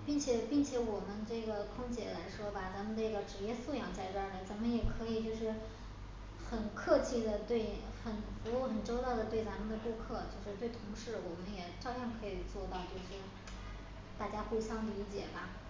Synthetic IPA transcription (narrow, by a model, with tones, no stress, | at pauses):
pi˥˩ŋt͡ɕʰjɛ˨˩˦pi˥˩ŋt͡ɕʰjɛ˧˥wɔ˨˩mə˦nʈ͡ʂɤ˥˩ɡə˩kʰʊ˥ŋt͡ɕjɛ̰˨˩la˧˥ɪʂwɔ˥ba˩t͡sa˧˥nmə˧nnə˥˩ɡə˩ʈ͡ʂɻ̩˨˩jɛ˥˧su˥˩jɑ˨˩˦ŋt͡sa˥˧ɪʈ͡ʂwa˥˩lə˨˩t͡sa˧˥nmə˧njɛ˨˩kʰɤ˧˥i˨˩t͡ɕjo˥˧ʊʂɻ̩˥˩ | xə˨˩nkʰɤ˥˧t͡ɕʰi˥˩d̪ə˩t̪we˥˩ɪ | xə˨˩nfu˧˥u˥˩xə˨˩nʈ͡ʂo˥ʊt̪ɑ˥˩ʊd̪ə˩t̪we˥˩ɪt͡sa˧˥mə˧˨nd̪ə˨˩ku˥kʰɤ˥˩t͡ɕjo˥˧ʊʂɻ̩˥˧t̪we˥˩ɪt̪ʰʊ˧˥ŋʂɻ̩˥˩wɔ˨˩mə˦njɛ˨˩ʈ͡ʂɑ˥˧ʊpʰjɛ˥˩nkʰɤ˧˥i˨˩t͡swɔ˥˧t̪ɑ˥˧ʊt͡ɕjo˥˧ʊʂɻ̩˥˩ | t̪a˥˩t͡ɕja˥xu˥˩ɕjɑ˥ŋli˧˥t͡ɕjɛ̰˨˩bɐ˧